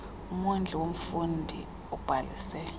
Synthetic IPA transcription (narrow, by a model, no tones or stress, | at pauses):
umund͡ɮʱɛwom̩fundʱḭ | ɔb̥ʱalḭsɛːl